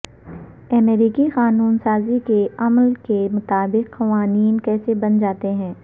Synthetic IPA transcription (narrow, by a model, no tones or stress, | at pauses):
ɛmeːɾiːkiqaːnuːnsaːzikeɐmlkemʊt̪aːbɪqːɐʋaːniːnkɛːsebɐnd͡ʒaːt̪eɦɛ̃ː